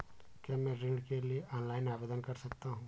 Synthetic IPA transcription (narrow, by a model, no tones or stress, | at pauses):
kjamɛ̃ɾɪ̃ɳɖkelieʔɔːnlaːɪnaːbeːd̪ənkɐɾsɐkt̪aɦũː